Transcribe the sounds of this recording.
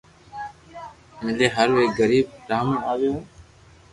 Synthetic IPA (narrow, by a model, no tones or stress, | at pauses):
mɪleːɦəɾʋeːkɡəɾiːb̚ɾaːmũːaːʋijõː